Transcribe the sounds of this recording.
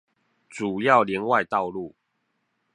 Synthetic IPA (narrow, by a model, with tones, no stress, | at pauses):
t͡su˨˩jɑ˥˨ʊljɛ˧˦nwa˥˧ɪt̪ɑ˥˨ʊlu˥˨